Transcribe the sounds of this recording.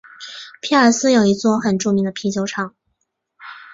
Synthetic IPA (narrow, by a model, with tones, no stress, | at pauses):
pʰi˥˩ə˞˨˧˩sɹ̩˥˧jo˨˩ʊi˧˥t͡swɔ˥˧xə˨˩nʈ͡ʂu˥˩mi˧˥ŋd̪ə˧pʰi˧˥t͡ɕjo˧˥ʊʈ͡ʂʰɑ˨˩˦ŋ